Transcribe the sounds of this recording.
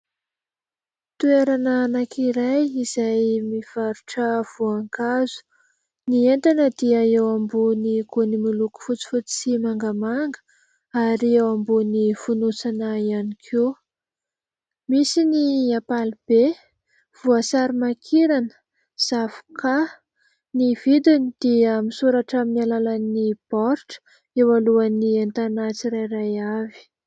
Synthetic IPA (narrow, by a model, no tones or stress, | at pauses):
t̪ueɾananakʰiɾajiz̥ajmiv̥aɾuʈ͡ʂəv̥uaŋkazu̥ | nient̪anəd̪iaewamboniɡonimiluku̥fut͡si̥fut͡si̥simaŋɡəmaŋɡə̥ | aɾiewambonifunusanaianikʰe | misiniapalib̥e | v̥uasaɾimakʰiɾanə̥ | z̥avu̥kʰa | niv̥id̪inid̪̥iəmisuɾaʈ͡ʂaminalalanib̥ɔɾʈ͡ʂə̥ | ewaluaniant̪anat͡siɾajrajavi̥